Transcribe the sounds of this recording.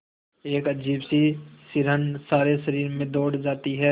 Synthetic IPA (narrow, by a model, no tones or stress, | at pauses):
eːkəd͡ʒiːbsisɪɾɦənsaːɾeʃɐɾiːɾmẽd̪oːɽd͡ʒaːt̪iɦɛː